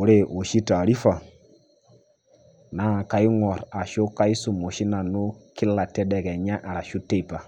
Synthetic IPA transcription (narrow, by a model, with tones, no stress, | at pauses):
u˨ɾe˦ʔo˨ʃi˦ta˨ɾi˦fa˨ | na˦˨ka˨˦i˦ŋɔ˨ɾa˨ʃo˦ka˦i˦su˨mo˨ʃi˦na˨nu˦ki˦la˨tɛ˦dɛ˨kɛ˨ɲa˦ʔa˨ɾa˨ʃu˦te˦i˨pa˨